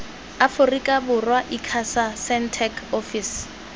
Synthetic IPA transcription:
afʊrikʼabʊrwaʔikʰasasɛntʰɛkʰofis

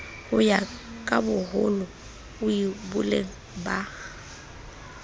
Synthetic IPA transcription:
hʊjakʼabʊhʊnʊ | ʊibʊlḛŋ̩ | ba

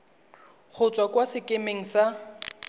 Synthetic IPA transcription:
k͡xʰʊt͡sʼwakwasɪkʼemeŋ̩sa

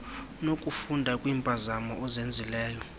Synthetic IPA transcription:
nokʼufundʱakʼwiːmpʼazamɔɔzend͡zʱilɛːjɔ

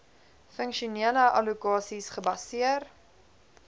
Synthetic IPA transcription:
fəŋkʃuniələʔɐ̰lukɑːsisχəbɐsiər

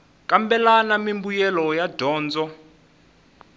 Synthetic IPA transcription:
kʼambɛlanamimbujɛlɔjad̥ʱɔːnd͡zɔ

